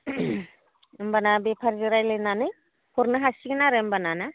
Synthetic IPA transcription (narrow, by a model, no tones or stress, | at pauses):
mbanabepʰaɾzɯɾajlɯnanɯj | pʰɔɾnɯɦasiɡɯnaɾɯmbanana